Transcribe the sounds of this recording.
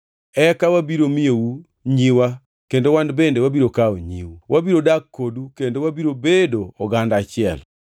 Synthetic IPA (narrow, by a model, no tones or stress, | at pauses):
ɛkawabiɾomijou | ɲiwa | kendowanbendewabiɾokaoɲḭwuwʔabiɾodakːodukendowabiɾobedoɔɡandat͡ʃɪɛ̰l